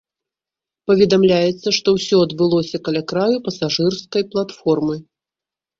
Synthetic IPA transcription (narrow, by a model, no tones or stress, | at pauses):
pɐvʲɛd̪amlʲajɛt̪sːɐʂt̪ɔwsʲɔɐd̪bɨlˠɔsʲɐkɐlʲakɾajupɐsaʐɨrskɐjplˠat̪fɔrmɨ